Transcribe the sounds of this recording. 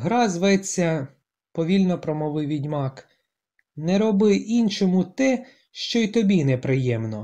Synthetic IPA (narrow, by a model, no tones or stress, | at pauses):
ɦɾɑzʋɛt͡sʲːɐ | pɔʋʲilʲnɔpɾɔmɔʋɪʋʲidʲmɑk | nɛɾɔbɪʔint͡ʃɔmʊt̪ɛ | ʃt͡ʃɔit̪ɔbʲinɛpɾɪjɛmnɔ